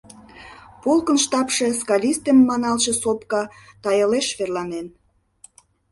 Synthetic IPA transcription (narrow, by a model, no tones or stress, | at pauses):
polkə̆nʃt̪ɑpʃe̽skɑlʲist̪emːɑnɑlʃĕsop̚kɑt̪ɑjəleʃβerlɑnen